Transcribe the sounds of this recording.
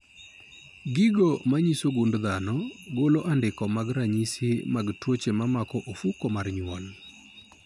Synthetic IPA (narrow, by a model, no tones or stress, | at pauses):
ɡɪɡomaɲisoɡundðanɔɡoloʔandɪkɔmaɡɾaɲisɪmaɡtwot͡ʃemamakɔʔofukomarɲwɔl